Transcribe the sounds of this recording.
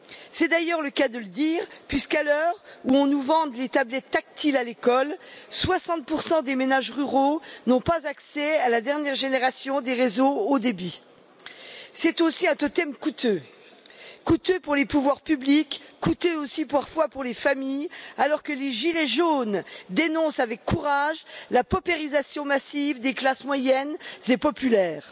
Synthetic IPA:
sɛd̪ajœʁləkad̪ələd̪iːʁpɥiskalœʁuɔ̃nuvɑ̃d̪let̪ablɛt̪ːak̚t̪ilalekɔlswasɑ̃t̪̚puʁsɑ̃d̪emenaʒʁyʁonɔ̃pazaksɛalad̪ɛʁnjɛʁʒeneʁasjɔ̃d̪eʁezood̪ebi | sɛt̪osiɛ̃t̪ɔt̪ɛmkut̪ø | kut̪øpuʁlepuvwaʁpyblikːut̪øosipaʁfwapuʁlefamijalɔʁkəleʒileʒond̪enɔ̃savɛkːuʁaʒlapɔpeʁizasjɔ̃masivd̪eklasmwajɛnzepɔpylɛːʁ

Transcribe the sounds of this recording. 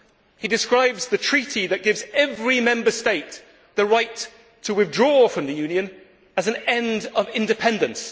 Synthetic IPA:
hidɨskɹaɪbzðɨtʰɹ̥iɾiðɨʔ̚ɡ̥ɪvzɛvɹimɛ̃mbə˞steɪʔ̪ | ðəɹaɪtʰ | əwɪθdɹɔfɹʌ̃mðɨjʉ̃njɨ̃n | əz̃n̩ɛ̃ndʌvɪ̃ndɨpʰɛ̃ndɨ̃ns

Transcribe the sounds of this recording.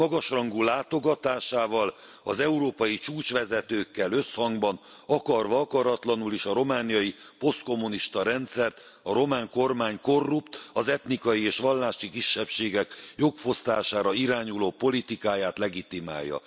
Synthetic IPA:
mɒɡɒʃrɒŋɡulaːt̪o̞ɡɒt̪aːʃaːvɒl | ɒzɛuɾoːpɒjit͡ʃuːt͡ʃʋɛzɛt̪øːkːɛlø̞shɒŋɡbɒn | ɒkɒrʋɒɒkɒɾɒt̪lɒnuliʃɒɾo̞maːnijɒji | po̞st̪̚ko̞mːuniʃt̪ɒɾɛnt̪sɛrt̪ | ɒɾo̞maːŋko̞rmaːɲko̞rːupt̪ɒzɛt̪nikɒjieːʃʋɒlːaːʃikiʃːɛpʃeːɡɛkjo̞kfo̞st̪aːʃaːɾɒiɾaːɲuloːpo̞lit̪ikaːjaːt̪lɛɡit̪ima̰ːjːɒ̰

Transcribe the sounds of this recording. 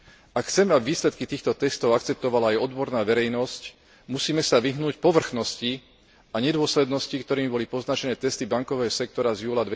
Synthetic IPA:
akxt͡sɛmɛabʋiːslɛt̪kit̪iːxt̪ɔt̪ɛst̪ɔʊakt͡sɛp̚t̪ɔʋalaːjɔd̪bɔɾnaːʋɛɾɛjnɔsc | musiːmɛsaʋiɦnuːcpɔʋr̩xnɔsci | aɲɛd̪ʊɔslɛd̪nɔscikt̪ɔɾiːmibɔlipɔznat͡ʃɛnɛːt̪ɛst̪ibaŋkɔʋɛːɦɔsɛk̚t̪ɔɾazjuːlad̪ʋɛ

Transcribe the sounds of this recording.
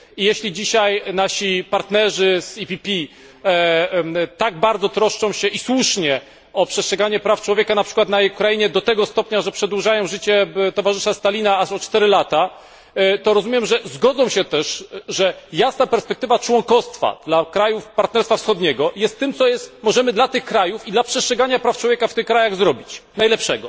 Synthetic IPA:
ijɛɕlʲid͡ʑiɕajnaɕipaɾt̪nɛʐɘzipʲipʲi | t̪aɡ̚baɾd̪zɔt̪ɾɔʂt͡ʂɔ̃w̃ɕɛʔiswuʂɲɛ | ɔpʂɛstʂɛɡaɲɛpɾaft͡ʂwɔvʲjekanapʂɘkwat̪najɛjukɾaiɲɛd̪ɔt̪ɛɡɔst̪ɔpɲaʐɛpʂɛd̪wuʐajɔ̃w̃ʐɘt͡ɕɛt̪ɔvaʐɘʂast̪alʲinaaʂɔtt͡ʂt̪ɛɾɘlat̪a | t̪ɔɾɔzumʲjɛmʐɛzɡɔd̪zɔ̃w̃ɕɛt̪ɛʂʐɛjasnapɛɾspɛk̚t̪ɘvat͡ʂwɔŋkɔst̪fa̰d̪̥lakɾajufpaɾt̪nɛɾsfafsxɔd̪ɲɛɡɔjɛst̪ːɘmt̪sɔjɛst̪mɔʐɛmɘd̪lat̪ɘxkɾajufid̪lapʂɛstʂɛɡaɲapɾaftt͡ʂwɔvʲjekaft̪ɘxkːɾajaɣzɾɔbʲit͡ɕnajlɛpʂɛɡɔ

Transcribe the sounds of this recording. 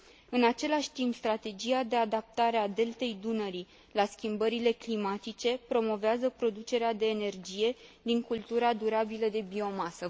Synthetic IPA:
ɨnat͡ʃe̞laʃʲt̪impst̪ɾat̪e̞d͡ʒiad̪e̞ad̪ap̚t̪aɾead̪e̞lt̪e̞jd̪unəɾi | laskʲimbəɾile̞klimat̪it͡ʃe̞pɾo̞mo̞veazəpɾo̞d̪ut͡ʃe̞ɾead̪e̞ːne̞rd͡ʒije̞d̪iŋkult̪uɾad̪uɾabiləd̪e̞bio̞masə

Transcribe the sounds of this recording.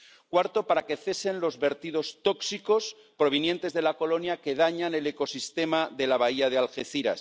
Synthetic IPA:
kwaɾt̪o̞paɾake̞θe̞se̞nlo̞zβe̞ɾt̪iðo̞st̪o̞ksiko̞s | pɾo̞β̞injẽ̞nt̪e̞zðe̞lako̞lo̞njake̞ð̞aɲane̞le̞ko̞sist̪e̞maðe̞laβ̞aiað̞ealxe̞θiɾa̰s

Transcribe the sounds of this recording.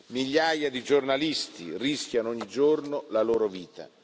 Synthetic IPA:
miʎːaːjad̪id͡ʒornalist̪iriskʲjanɔɲːid͡ʒornolaloːɾoviːt̪a̰

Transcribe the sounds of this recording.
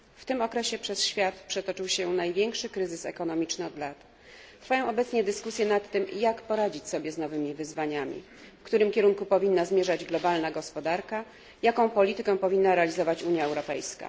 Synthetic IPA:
ft̪ɘmɔkɾɛɕɛpʂɛsɕfʲjat̪pʂɛt̪ɔt͡ʂɘwɕɛnajvʲjɛŋkʂɘkɾɘzɘsɛ̰kɔnɔmʲit͡ʂnɘɔd̪lat̪ | t̪ɾfajɔ̃w̃ɔbɛt̪sɲɛd̪ɘskusʲjɛnat̪ːɘmjakpɔɾad͡ʑit͡ɕsɔbʲjɛznɔvɘmʲivɘzvaɲamʲḭ | fkt̪uɾɘmkʲɛɾuŋkupɔvʲinːazmʲjɛʐad͡ʑɡlɔbalnaɡɔspɔd̪aɾka | jakɔ̃w̃pɔlʲit̪ɘkɛw̃pɔvʲinːaɾɛalʲizɔvat͡ɕuɲjaɛwɾɔpɛjska̰

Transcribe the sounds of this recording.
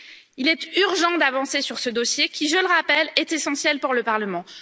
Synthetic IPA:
ilɛt̪yʁʒɑ̃d̪avɑ̃sesyʁsəd̪osjekʲiʒələʁapɛlɛt̪esɑ̃sjɛlpuʁləpaʁləmɑ̃

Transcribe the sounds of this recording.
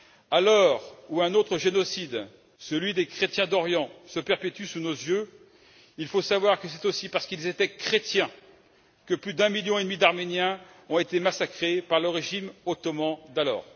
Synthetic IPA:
alɔʁuɛ̃not̪χəʒenɔsid̪ | səlɥid̪ekχet̪jɛ̃d̪ɔʁjɑ̃səpɛʁpet̪ysunozjø | ilfosavwaʁkəsɛt̪osipaʁsə̥kilzet̪ɛkχet̪jɛ̃ | kəplyd̪ɛ̃miljɔ̃ed̪mid̪aʁmenjɛ̃ | ɔ̃et̪emasakχepaʁləʁeʒimot̪ɔmɑ̃d̪alɔ̰ːʁ

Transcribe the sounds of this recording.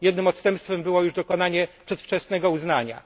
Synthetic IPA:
jɛd̪nɘmɔt̪st̪ɛmpst̪fɛmbɘwɔjuʐd̪ɔkɔnaɲɛpʂɛt̪ft͡ʂɛsnɛɡɔuznaɲa̰

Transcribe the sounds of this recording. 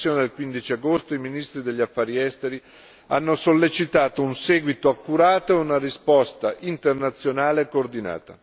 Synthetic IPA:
joːned̪elkwind̪it͡ʃiaɡost̪oiminist̪ɾid̪eʎːafːaːɾiɛst̪eɾi | anːosolːet͡ʃit̪aːt̪ounseːɡwit̪oakːuɾaːt̪oeunaɾispɔst̪aʔint̪ernat̪sːjonaːlekoːrd̪ina̰ːt̪a̰

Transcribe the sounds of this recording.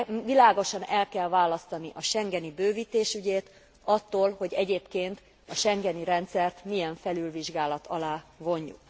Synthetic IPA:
vilaːɡo̞ʃɒnɛlkɛlvaːlɒst̪ɒniʔɒʃɛŋɡɛnibøːviːt̪eːʃyɟeːt̪ | ɒt̪ːoːlho̞ɟɛɟeːpkeːnt̪ | ɒʃɛŋɡɛniɾɛnt̪sɛrt̪mijɛɱfɛlylviʒɡaːlɒt̪ʰɒlaːvo̞ɲːṵk

